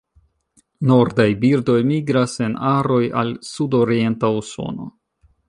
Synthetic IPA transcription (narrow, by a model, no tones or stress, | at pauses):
no̞ɾdajbiɾdo̞jmiɡɾase̞naɾo̞ja̰lsudo̞ɾie̞ntauso̞̰no̞̰